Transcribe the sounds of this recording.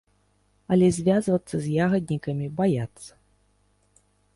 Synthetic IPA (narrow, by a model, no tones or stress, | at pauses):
ɐlʲɛzʲvʲazvɐt̪sːɐzʲjaɣɐd̪̚ʲnʲikɐmʲibajat̪sːɐ̥